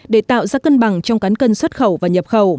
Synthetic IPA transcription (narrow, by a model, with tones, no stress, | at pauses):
ɗe˧˩t̪a̰ː˧˨wzaː˧kə˧nɓa˨˩ŋt͡ɕɔ˧wŋ͡mkaː˨˦nkə˧nswə˦˥t̚xə˧˩wvaː˨˩ɲə˨˩p̚xə˧˩w